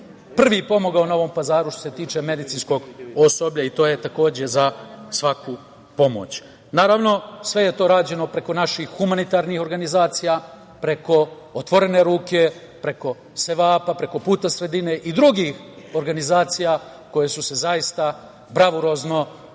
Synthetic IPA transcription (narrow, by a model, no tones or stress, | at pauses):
pr̩ʋipo̞mo̞ɡaonao̞ʋo̞mpazaːɾuʃt̪o̞se̞t̪iːt͡ʃe̞me̞d̪it̪sinsko̞ɡosobʎait̪o̞ːje̞t̪ako̞ːd͡ʑe̞zasʋaku | po̞mo̞̰t͡ɕ | naːɾaʋno̞sʋe̞je̞t̪o̞ːɾaːd͡ʑe̞no̞pɾe̞ko̞naʃixːumanit̪aːɾnixo̞ɾɡanizaːt̪sija | pɾe̞ko̞ | ot̪ʋo̞ɾe̞ne̞ɾuːke̞ | pɾe̞ko̞ | se̞ʋaːpapɾe̞ko̞puːt̪asɾe̞d̪ine̞ʔid̪ɾuɡix | o̞ɾɡanizaːt̪sija | ko̞jesuse̞zaist̪a | bɾaʋuɾo̞zno̞